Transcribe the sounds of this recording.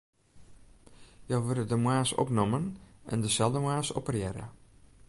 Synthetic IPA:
jowʋɪdədəmwaːsɔ̰pnɔmənʔɛ̰ndəsɛlˠdəmwaːsɔpərjɛɾə̰

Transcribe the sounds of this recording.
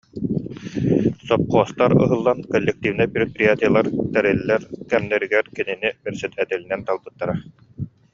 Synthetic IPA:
sɔp̚qɔːst̪aɾɯ̰ɦɯlˠːankɔlʲːɛk̚t̪ivinɛpɾɛk̚pɾijat̪ijalˠaɾt̪ɛɾɛlːɛɾkɛmnɛɾiɡɛɾkininibɛɾsɛt̪ɛt̪ɛlinɛnt̪alˠbɯt̪ːaɾa

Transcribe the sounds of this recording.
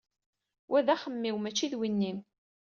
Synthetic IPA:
wʔæðæχəmːiwmæt͡ʃːiðwinːin

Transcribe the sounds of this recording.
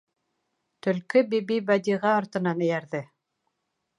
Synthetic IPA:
t̪ɵ̆lkɘbibibæd̪iʁæːɾt̪ɤ̆nɑnɘ̆jæɾðɘ

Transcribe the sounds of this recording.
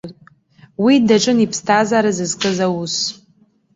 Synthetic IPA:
widaʈ͡ʂʼɨnipʰstʰazaːɾazɨzkʼɨzawus

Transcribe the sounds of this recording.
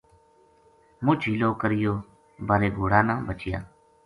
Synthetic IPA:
mʊd͡ʒʰʱiːloːkəɾɪjoː | bəɾeːɡʱoːɽaːnãːbət͡ʃɪja̰ː

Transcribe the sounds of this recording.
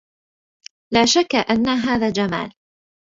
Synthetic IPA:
laːʃakːaʔanːaɦaːðaːd͡ʒama̰ːl

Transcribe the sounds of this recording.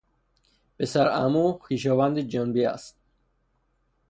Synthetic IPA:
b̥esæɾæmuxiːʃ̬ɔːvand̪id͡ʒɔnbiæ̰st̪̚

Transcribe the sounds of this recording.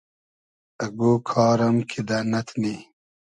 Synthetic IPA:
ɐɡoːkʰɑːɾɐmkʰid̪aːnɐt̪ʰni

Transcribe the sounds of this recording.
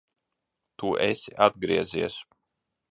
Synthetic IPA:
t̪uʔesʲiʔad̪̚ɡɾiɛzḭɛs

